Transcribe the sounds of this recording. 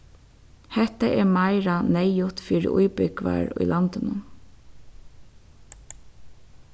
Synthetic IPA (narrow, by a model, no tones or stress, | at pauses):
hɛht̪aʔɛɹmaɪɹanɛjʊt̪fiːɾɪ̰ʔujpʏkʋa̰ɹʊ̰jlʔɑnt̪ɪnʊ